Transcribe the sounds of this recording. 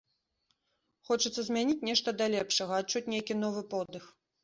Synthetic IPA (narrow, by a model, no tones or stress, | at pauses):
xɔt͡ʂɨt̪sːɐzʲmʲanʲit͡sʲnʲɛʂt̪ɐd̪ɐlʲɛpʂɐɣɐt̪t͡ʂːut͡sʲnʲejkʲinɔvɨpɔd̪ɨx